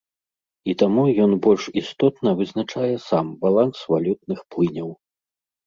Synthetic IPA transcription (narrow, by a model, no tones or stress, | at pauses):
it̪amujɔnbɔlʲʂist̪ɔt̪nɐvɨznat͡ʂajɛsambalˠansvalʲut̪̚nɨxplɨnʲɐw